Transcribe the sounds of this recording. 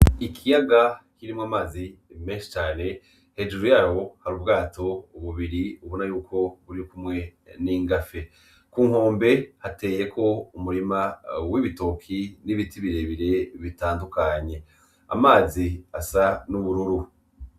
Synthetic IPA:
ikʰijaɡakiɾimŋamaːzimeːʃi̥t͡ʃaːne̞ | he̞d͡ʒuɾujaːho̞haɾuːbɡaːto̞uβuβiɾiuβonajuːkʰo̞βuɾikumŋe̞niːŋɡafe | kuːŋ̥o̞ːmbe̞hate̞ːje̞kʰo̞umuɾimawiβito̞kʰiniβitiβiɾe̞βiɾe̞βitaːndukaɲe̞ | a̰maːziasanuβuɾuɾu

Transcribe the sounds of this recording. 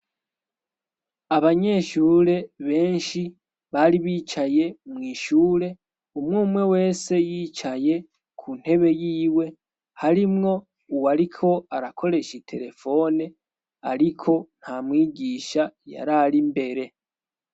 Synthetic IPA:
aβaɲe̞ʃuːɾe̞βe̞ːnʃi | βaɾiβiːt͡ʃaje̞mŋiːʃuːɾe̞ | umŋuːmwe̞we̞ːse̞jiːt͡ʃaje̞ | kʰuːn̥he̞βe̞jiːwe̞ | haɾimŋo̞ | uwaɾikʰo̞aɾakʰo̞ɾe̞ʃitʰe̞ɾe̞fo̞ne | a̰ɾikʰo̞n̥hamŋiːɟiːʃaja̰ɾaɾimbe̞ɾe̞

